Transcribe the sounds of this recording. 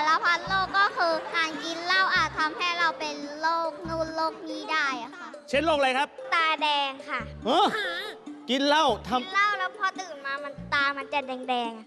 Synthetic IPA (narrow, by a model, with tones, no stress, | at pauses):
la˧˩wpʰa˦˥t̪̚loː˥˩kːɔː˥˩kʰɯː˧kaː˧˩nki˧nla˥˩wʔaː˨˩t̪ʰːa˧mha˥˩jɾa˧wpe˧nloː˥˩k̚nuː˧˩˨nloː˥˩k̚miː˧˥˩daː˥˩jʔa˨˩kʰa˥˩t͡ɕʰe˦˥˩nloː˥˩k̚la˧jkʰa˦˥p̚t̪aː˧dɛː˧ŋkʰa˥˩ʔʔɤː˧˥˩ | ki˧nla˥˩wt̪ʰa˧mla˥˩wlɛː˦˥pʰɔ˧t̪ɯː˨˩nmaː˧ma˧nt̪aː˧ma˧nt͡ɕa˨˩dɛː˧ŋdɛː˧ŋʔa˨˩